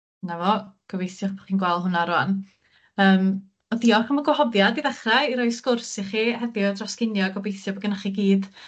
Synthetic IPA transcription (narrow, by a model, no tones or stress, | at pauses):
navɔɡ̥ɔbejθjɔχbɔχiːnɡwɛlˠɦʊnaɾwan | əːm | ɔðiɔχəmɔɡwahɔvjadiðɛχrajiɾɔjskʊrsiχihɛðɪɔdrɔskɪnjɔɡɔbejθjɔbɔɡɛnaχiɡiːd̥